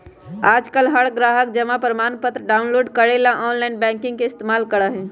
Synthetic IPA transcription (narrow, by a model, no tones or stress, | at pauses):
aːd͡ʒkəlɦəɽɡɾaːɦəkd͡ʒəmapəɾəmaːnpət̪ɾəɖaːʊnloːɖkəɽelãʔɔːnlanbɛ̃ːŋkɪ̃ŋɡkeɪst̪emaːlkəɽəɦɛ̃